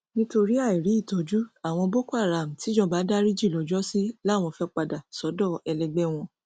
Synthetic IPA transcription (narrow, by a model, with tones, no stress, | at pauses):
nĩ˦to˧ɾi˦a˦˨i˨ɾi˨˦i˦˨to˨˦d͡ʒu˦a˦˨w̃ɔ̃˧bo˦ku˦a˦˨ɾa˨m̩̃˨ti˨˦d͡ʒɔ̃˦ba˨˦da˦ɾi˦d͡ʒi˦˨lɔ˨˦d͡ʒɔ˦si˦la˦˨w̃ɔ̃˧fɛ˦k͡pa˧da˨sɔ˨˦dɔ˦˨ɛ˧lɛ˧ɡ͡bɛ˦w̃ɔ̃˧